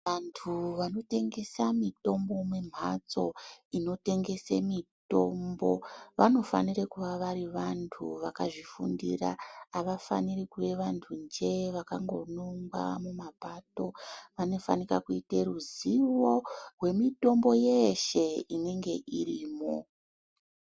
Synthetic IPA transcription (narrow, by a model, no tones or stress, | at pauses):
antʰuʋano̞te̞ŋɡe̞samito̞mbo̞mwem̤at͡so̞ino̞te̞ŋɡe̞semito̞mbo̞ʋano̞fa̰nirekuʋaʋaɾiʋantʰṵʋakaʐifṵndḭra̰ːʋafa̰nirikuʋe̞ʋantʰund͡ʒe̞ʋakaŋɡo̞noŋɡwa̰mumapato̞ʋano̞fa̰nikakuiteruziʋo̞rwe̞mito̞mbo̞je̞ʃe̞ine̞ŋɡe̞ʔiriːmo̰